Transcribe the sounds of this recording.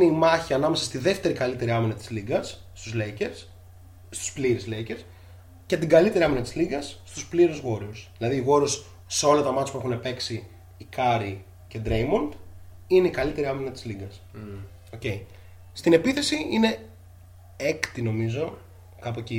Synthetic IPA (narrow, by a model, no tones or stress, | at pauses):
neimɐçiɐnɐmesɐ̥st̪iðe̞ft̪e̞ɾikɐlit̪e̞ɾiɐminɐt̪i̥zliɡɐsːt̪uzleces | st̪u̥spliɾizleiceɾs | cet̪iɡɐlit̪e̞ɾiɐminɐt̪izliɣɐsːt̪uspliɾuzɣo̞ɾiusðilɐðiːɣo̞ɾiusː | eo̞lɐt̪ɐmɐt̪espuexunepe̞ksiː | kɐɾi | ce̞d̪ɾejmond̪ | ine̞ikɐlit̪e̞ɾiɐminɐt̪izliɡɐs | o̞ce̞i | st̪ine̞piθe̞siine̞ | ekt̪ino̞mizo̞ | kɐpoci